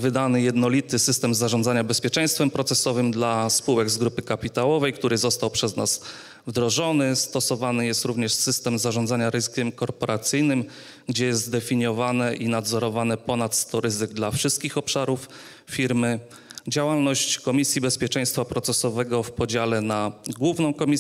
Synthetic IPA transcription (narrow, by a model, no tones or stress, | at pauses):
vɘd̪anɘjɛd̪nɔlʲit̪ɘsɘst̪ɛmzaʐɔ̃nd̪aɲabɛspʲjɛt͡ʂɛ̃j̃st̪fɛmpɾɔt̪sɛsɔvɘmd̪laspuwɛɡzɡɾupɘkapʲit̪awɔvɛjkt̪uɾɘzɔst̪awpʂɛznas | vd̪ɾɔʐɔnɘst̪ɔsɔvanɘjɛst̪ɾuvɲɛʂsɘst̪ɛmzaʐɔnzaɲaɾɘzɘkʲɛmkɔɾpɔɾat̪sɘjnɘm | ɡd͡ʑɛjɛst̪d̪ɛfʲiɲjɔvanɛʔinad̪zɔɾɔvanɛpɔnat̪st̪ɔɾɘzɘɡd̪lafʂɘst̪kʲixɔpʂaɾuf | fʲiɾmɘ | d͡ʑawalnɔɕt͡ɕkɔmʲisʲjibɛspʲjɛt͡ʂɛ̃j̃st̪fapɾɔt̪sɛsɔvɛɡɔfpɔd͡ʑalɛnaɡwuvnɔ̃w̃kɔmʲi